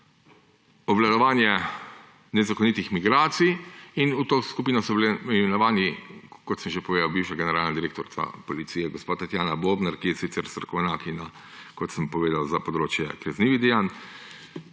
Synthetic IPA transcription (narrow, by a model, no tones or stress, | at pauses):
ɔʋlad̪ɔʋaːnjɛ | nɛzakɔnit̪ixmiɡɾaːt̪sijinut̪oːskupiːnɔsɔblɛmɛnɔʋaːnikɔt̪səmʒepɔʋeːd̪awbiwʃaɡɛnɛɾaːlnad̪iɾeːkt̪ɔɾt̪a̰pɔlit̪siːjɛɡɔspat̪at̪jaːnaboːbnaɾkijɛsit̪sɛɾsɾɐkɔʋnaːkina | kɔt̪səmpɔʋeːd̪awzapɔd̪ɾoːt͡ʃjɛ̰kɾɛzniːʋid̪ɛjan